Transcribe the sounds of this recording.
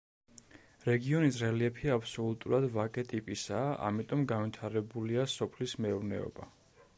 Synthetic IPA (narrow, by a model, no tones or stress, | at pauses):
ɾɛɡiɔnisɾɛliɛpʰiapʰsɔlut̪ʼuɾad̪vakʼɛt̪ʼipʼisaːʔa̰mit̪ʼɔmɡanvit̪ʰaɾɛbuliasɔpʰlismɛuɾnɛ̰ɔ̰ba